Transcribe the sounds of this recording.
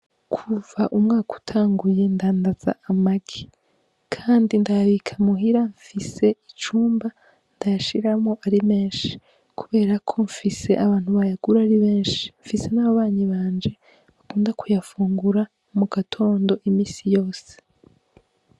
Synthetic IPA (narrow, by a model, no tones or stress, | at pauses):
kʰuvaʔumŋaːku̥tʰaːŋɡuje̞ndaːndaz̥a̰ʔamaɡi | kʰaːndindaaβikʰamuɦiɾaɱfise̞it͡ʃuːmba | ndajaʃiɾamo̞ʔaɾime̞ːnʃi̥ | kuβe̞ːɾakʰo̞ɱfise̞̰ʔaβaːn̥huβajaɡ̥uɾaɾiβe̞ːnʃi̥ɱfise̞naβaβaːɲiβaːnd͡ʒe̞ | βakuːndakʰujafuːŋɡuɾa | muɡatʰo̞ːndo̞ʔimiːsijo̞ːse̥